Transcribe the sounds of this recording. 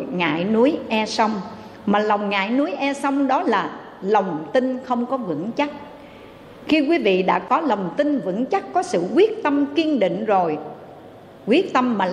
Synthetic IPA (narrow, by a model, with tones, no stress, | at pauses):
ŋa̰ː˧˨jnu˨˦əjʔɛ˧sə˧wŋ͡m | maː˨˩lə˨˩wŋ͡mŋa̰ː˧˨jnu˨˦əjʔɛ˧sə˧wŋ͡mɗɔ˨˦laː˨˩ | lə˨˩wŋ͡mt̪ï˧ŋxə˧wŋ͡mkɔ˨˦vɨ̰˧˥ŋt͡ɕa˦˥t̚ | xi˧k̬wi˨˦vḭ˧˨ɗa̰ː˧˥kɔ˨˦lə˨˩wŋ͡mt̪ï˧nvɨ̰˧˥ŋt͡ɕa˦˥t̚kɔ˨˦sɨ̰˧˨kwi˦˥ək̚t̪ə˧mki˧ənɗḭ˧˨ŋ̟zo˨˩j | kwi˦˥ək̚t̪ə˧mːaː˨˩